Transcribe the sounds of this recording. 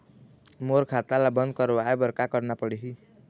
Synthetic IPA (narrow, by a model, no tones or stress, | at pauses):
moɾkʰat̪alabʌnd̪kʌɾoaebʌɾkakʌɾnapʌɽeɦi